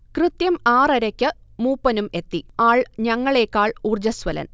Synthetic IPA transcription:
krɨt̪jɐmaːrɐɾɐkʲːɨmuːpːɐnume̞t̪ːiaːɭɲɐŋːɐɭe̞ːkːaːɭuːrd͡ʑɐsʋɐlɐ̰n

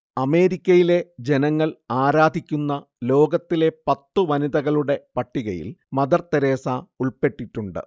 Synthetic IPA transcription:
ɐme̞ːɾikʲːɐjile̞d͡ʑe̞nɐŋːɐɭaːɾaːd̪ʱikʲːunːɐ | lo̞ːɡɐt̪ːile̞pɐt̪ːɨʋɐniðɐɣɐɭuɽe̞pɐʈːiɣɐjḭlmɐðɐrt̪ːɐɾeːsauɭpe̞ʈːiʈːuɳɖɨ̰

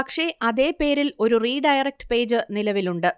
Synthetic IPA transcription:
ɐkʂe̞ʔɐðe̞ːpe̞ːɾilo̞ɾuriːɖɐjrɐk̚ʈɨ̥pe̞ːd͡ʑɨnilɐʋiluɳɖɨ

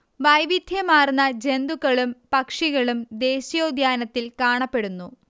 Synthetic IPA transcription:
ʋɐjʋid̪ʱjɐmaːrnːɐd͡ʑe̞nd̪ukːɐɭumpɐkʂiɣɐɭumd̪e̞ːɕijoːd̪ʱjaːnɐt̪ːilkaːɳɐpːe̞ɽunːu

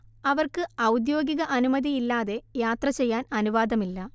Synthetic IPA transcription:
ɐʋɐrkɨɐwd̪jo̞ːɡiɣɐʔɐnumɐd̪iːlːaːðe̞jaːt̪rɐt͡ɕe̞jːaːnɐnuʋaːd̪ɐmilːɐ

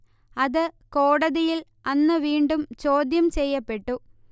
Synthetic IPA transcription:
ɐðɨkoːɽɐðijil | ɐnːɨʋiːɳɖumt͡ɕo̞ːd̪jɐmt͡ɕe̞jːɐpːe̞ʈːu

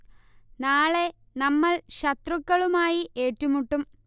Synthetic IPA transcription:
naːɭe̞ | nɐmːɐɭɕɐt̪rukːɐɭumaːjiʔe̞ːtːumuʈːum

